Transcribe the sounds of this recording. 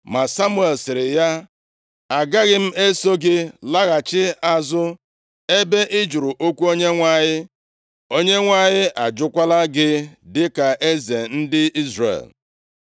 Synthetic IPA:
ma˨sa˦mu˦e˨lsɪ˨ɾɪ˨ja˦ | a˨ɡa˦ɣɪ˦m̩˦e˦so˦ɡɪ˦la˦ɣa˨t͡ʃɪ˦a˨zʊ˦ | e˦be˦ʔɪ˦d͡ʒu˨ɾu˨ʔo˦kʷu˦o˦ɲe˦ŋʷa˦˨ɲɪ˦ | o˦ɲe˦ŋʷa˦ɲɪ˦ʔa˨d͡ʒʊ˦kʷa˦la˦ɡɪ˦dɪ˦ka˨ʔe˦ze˨n̩˦dɪ˦i˦zrḛ˨l

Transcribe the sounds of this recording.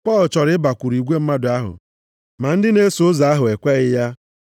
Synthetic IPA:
pɔ˦˨lt͡ʃɔ˨ɾɪ˦ɪ˦ba˨kʷu˨ɾi˨ɡʷe˦m̩˦ma˦dʊ˨a˦ɦʊ̰˨ | ma˨n̩˦dɪ˦ne˦sʊ˦za˨a˦ɦʊ˨e˨kʷe˦ɣɪ˦ja˦

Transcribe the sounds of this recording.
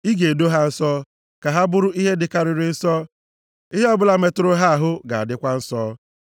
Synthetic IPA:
i˦ɡe˨e˨do˦ɦa˦n̩˦sɔ˦ | ka˨ɦa˦bʊ˦ɾʊ˦i˦ɦe˦dɪ˨ka˨ɾɪ˨ɾɪ˨n̩˦sɔ˦ | i˦ɦe˦ɔ˦bʊ˦la˨me˨tʊ˨ɾʊ˦ɦa˦a˨ɦʊ˦ɡa˨a̰˨dɪ˦kʷa˦n̩˦sɔː˦

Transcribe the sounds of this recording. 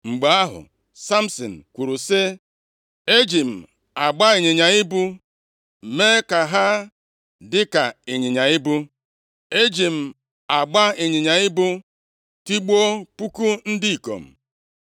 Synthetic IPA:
ŋ͡m̩˨ɡ͡ba˨˦a˦ɦʊ̰˨ | sa˦m̩˦so̰˨n̩˨kʷu˨ɾu˨sɪ˦ | e˦d͡ʒi˨m̩˨ | a˨ɡ͡ba˦ɪ˨ɲɪ˨ɲa˨ɪ˦bu˦ | meː˦ka˨ɦa˦ | dɪ˦ka˨ɪ˨ɲɪ˨ɲa˨ɪ˦bu˦ | e˦d͡ʒi˨m̩˨ | a˨ɡ͡ba˦ɪ˨ɲɪ˨ɲa˨ɪ˦bʊ˦ | ti˦ɡ͡bo˦k͡pu˦ku˦n̩˦di˦i˨ko̰˨m̩˨

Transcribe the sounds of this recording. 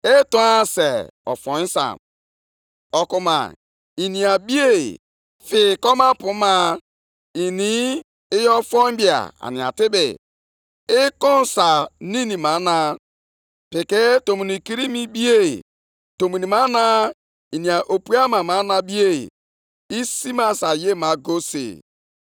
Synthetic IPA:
e˦tɔ˦a˦se˨ɔ̰˨fɔ˨i˦sa̰˨m | ɔ˨ku˨ma̰˨ | i˨ni˨a˨bi˦e˦˨ḭ˨ | fɪ˨kɔ˦ma˦pʊ˨˦ma˦ | i˨ni˦ | ɪ˦jɔ˦fɔ˦bi˦a̰˨a̰˨nĩ˨a̰˨tɪ˦bɪ̰˨ | ɪ˦kɔ˦n˨sa˨ni˦ni˨ma˨˦na˦ | pe˨ke˦to˨mu˨ni˨ki˦ɾi˦mi˦bi˦e˦˨ | to˨mu˨ni˨ma˦na˦ | i˨ni˨a˨ʔo˨pu˦a˦ma˨ma˨˦na˨bi˦ḛ˦˨ | i˦si˦ma˦sa˨je˦˨ma˨ɡo˦sḛ˨

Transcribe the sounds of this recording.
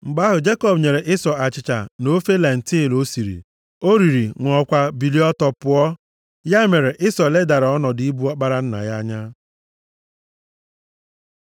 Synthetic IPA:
ŋ͡m̩˨ɡ͡ba˦ɦʊ˨d͡ʒe˦kɔ˦bɲe˨ɾe˨ʔɪ˦sɔ˨a˨t͡ʃɪ˨t͡ʃa̰˨no˦fe˦la˨n̩˨ti˦˨lo˦si˨ɾḭ˨ | o˦ɾi˨ɾi˨ŋʷ˨ɔ˨kʷa˦bi˨li˦ɔ˦tɔ˨pʊ˦ɔ˦ | ja˦me˨ɾe˨ʔɪ˦sɔ˨le˦da˨ɾa˨ɔ˦nɔ˨di˦bu˦ɔ˦k͡pa˦ɾa˦n̩˦na̰˨ja˦ɲa˦

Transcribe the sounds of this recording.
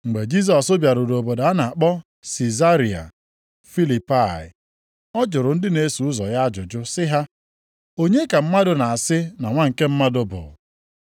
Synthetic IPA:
ŋ͡m̩˨ɡ͡be˨d͡ʒi˦s̬ɔ˨sʊ˦bja˨ɾʊ˨do˨bo˨da˨a˦na˨a˨k͡pɔ˦ | si˨za˦ɾi˨a̰˨ | fi˦li˨pa˦˨ɪ̰˨ | ɔ˦d͡ʒʊ˨ɾʊ˨n̩˦dɪ˦ne˨˦su˨ʊ˦zɔ̰˨ja˦d͡ʒʊ˨d͡ʒʊ˦sɪ˦ɦa˦ | o˦ɲe˦ka˨m̩˦ma˦dʊ˨na˨a˨sɪ˦na˨ŋʷa˦ŋ̩˨ke˦m̩˦ma˦dʊ˨bʊ̰˨

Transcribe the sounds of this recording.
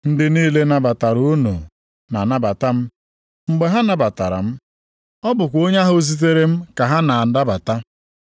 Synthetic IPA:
n̩˦dɪ˦niː˦le˦na˨ba˨ta˨ɾu˦no̰˨ | na˨na˦ba˨ta˦m̩˦ | ŋ͡m̩˦ɡ͡be˦ɦa˦na˨ba˨ta̰˨ɾa̰˨m̩˦ | ɔ˦bʊ˨kʷo˦ɲa˦ɦʊ˦zi˦t̬e˦ɾe˦m̩˦ka˨ɦa˦na˨da˦ba˨ta˦

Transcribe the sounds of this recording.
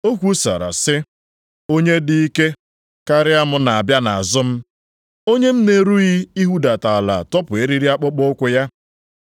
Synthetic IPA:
o˦kʷu˦sa̰˨ɾa̰˨sɪ˦ | o˦ɲe˦dɪ˦i˦ke˦ | ka˦ɾɪ˦a˦mʊ˦na˨a˨bja˦na˨a˨zʊ˦m̩˦ | o˦ɲe˦m̩˦ne˨ɾu˦ɣi˦i˦ɦu˦da˨ta˨la̰˨tɔ˦pʊ˨e˦ɾi˦ɾi˦a˦k͡pʊ˦k͡pʊ˦kʷʊ˦ja˦

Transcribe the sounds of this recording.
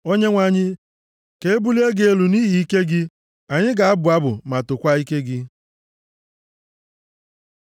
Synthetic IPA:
o˦ɲe˦ŋʷa˨ɲɪ˦ | ke˨e˦bu˦le˦ɡe˨e˦lu˨niː˦ɦi˨i˦ke˦ɡɪ˦ | a˨ɲɪ˦ɡa˨a˦bʊ˨a˦bʊ̰˨ma˨tʊ˨kʷa˦i˦ke˦ɡɪ˦

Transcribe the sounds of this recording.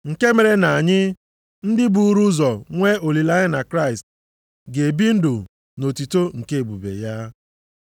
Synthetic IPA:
ŋ̩˨ke˦me˨ɾe˨na˨a˨ɲɪ˦ | n̩˦dɪ˦bu˨˦ɾu˦zɔ˨ŋʷe˦o˨li˨la˦ɲɪ˦na˨kɾa˦ɪ˨st | ɡe˨bi˦n̩˦dʊ˨ | no˨ti˨to˦ŋ̩˨ke˦e˨bu˨bḛ˨ja˦

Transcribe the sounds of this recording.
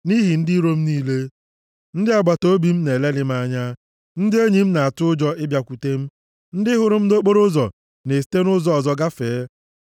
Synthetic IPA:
ni˦ɦi˨n̩˦dɪ˦ɾo˦m̩˦niː˦le˦ | n̩˦dɪ˦a˨ɡ͡ba˨to˦bi˨m̩˦ne˨le˦lɪ˦ma˦ɲa˦ | n̩˦dɪ˦e˦ɲi˨m̩˦na˨a˨tʊ˦ʊ˦d͡ʒɔ˦ɪ˦bja˨kʷu˨te˦m̩˦ | n̩˦dɪ˦ɦʊ˨ɾʊ˦m̩˦no˦k͡po˦ɾʊ˦zɔ̰˨ | ne˨s̬i̥˨te˦nʊ˦zɔ˨ɔ˨zɔ˦ɡa˦feː˨˦

